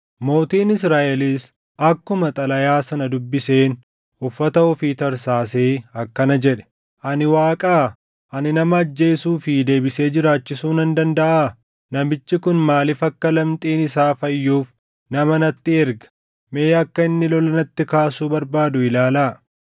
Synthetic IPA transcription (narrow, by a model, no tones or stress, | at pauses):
mo̞ːt̪iːnɪsɾaːʔɛliːs | ɐkːʊmɐt̪ʼɐlɐjaːsɐnɐd̪ʊbːɪse̞ːn | ʊfːɐt̪ɐɔfiːt̪ɐɾsaːseːɐkːɐnɐd͡ʒɛᶑɛ̥ | ʔɐnɪwaːkʼaː | ʔɐnɪnɐmɐːd͡ʒːe̞ːsuːfɪd̪e̞ːbɪse̞ːd͡ʒɪɾaːt͡ʃːɪsuːnɐnd̪ɐnd̪ɐʔaː | nɐmɪt͡ʃːɪkʊnmaːlɪfɐkːɐlɐmt̪ʼiːnɪsaːfɐjːuːf | nɐmɐnɐt̪ːɪɛɾɡɐ̥ | meːɐkːɐɪnːɪlɔlɐnɐt̪ːɪkaːsuːbɐɾbaːd̪ʊɪlaːlaː